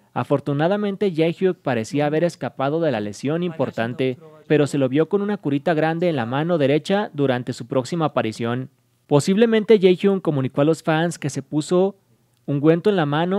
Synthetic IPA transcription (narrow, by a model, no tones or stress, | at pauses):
a̰fo̞ɾt̪unaðamẽnt̪e̞ʝejxjuk̚paɾe̞siaːβ̞e̞ɾe̞skapað̞o̞ðe̞lale̞̰sjo̞nimpo̞ɾt̪ant̪e̞pe̞ɾo̞se̞lo̞βjo̞ko̞nũnakuɾit̪aɣɾand̪eːnla̰mãno̞ðe̞ɾe̞t͡ʃaðuɾant̪e̞supɾo̞ksimaːpaɾisjo̞n | po̞siβle̞mẽ̞nt̪e̞ʝejxjuŋko̞mũnikoalosfanske̞se̞puso̞ | uŋɡwe̞nt̪oe̞nlamãno̞